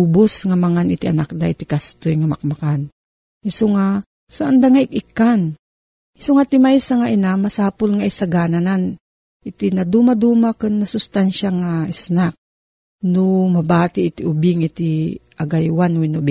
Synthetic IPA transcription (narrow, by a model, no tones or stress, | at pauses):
ubosŋamaŋanɪt̪iʔanak̚d̪aʔit̪ɪkast̪ojŋamak̚makan | ɪsoŋa | saʔand̪aŋaʔɪk̚ikan | ɪsoŋat̪ɪmajsaŋaʔinamasaːpʊlŋaʔisaɡaːnanan | ʔɪt̪inad̪umad̪uːmakɨnːasʊst̪anʃaŋaɪsnak̚ | nomɐbaːt̪ɪʔːt̪iʔʊbɪŋit̪iʔaɡajwanwinʊbɪ